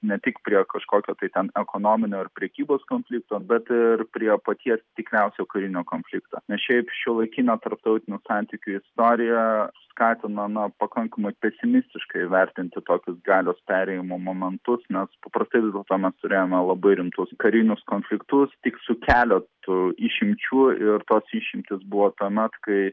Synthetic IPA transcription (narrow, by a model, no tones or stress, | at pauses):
nʲɛt̪ʲɪkpʲɾʲiɛkɐʃkoːkʲoːt̪ɐɪt̪ʲɛnɛkoːnoːmʲɪnʲoːɪɾpʲɾʲɛkʲiːboːskoːnʲfʲlʲɪkt̪oːbʲɛt̪ɪrpʲɾʲiɛpɐt̪ʲiɛst̪ʲɪkɾʲɛʊsʲɛːkɐɾʲɪnʲoːkoːnʲfʲlʲɪkt̪ɐ̰ːnʲɛsʃʲɛɪpʃʲɪlˠɐɪkʲiːnɐt̪ɐɾp̚t̪ɐʊt̪ʲɪnʲʊsɑˑnʲt̪ʲɪkʲʊɪst̪oːɾʲɪjɛskɑːt̪ʲɪnɐnɐpɐkɐŋkɐmɐɪpʲɛsʲɪmʲɪsʲt̪ʲɪʃkɐɪʋʲɛɾʲt̪ʲɪnʲt̪ʲɪt̪oːkʲʊsɡɑːlʲoːspʲæːɾʲɛjɪmoːmoːmʲɛnt̪ʊsnʲɛspɐpɾɐst̪ɐɪʋʲɪzd̪ʲɛlˠt̪oːmʲɛst̪ʊɾʲeːjoːmʲɛlˠɐbɐɪɾʲɪmt̪ʊskɐɾʲɪnʲʊskoːnʲfʲlʲɪkt̪ʊst̪ʲɪksʊkʲæːlʲɛt̪ʊiːʃʲɪmʲt͡ʃʲuːɪrt̪oːsiʃʲɪmʲt̪ʲɪsbʊʋoːt̪uɔmʲɛt̪kɐɪ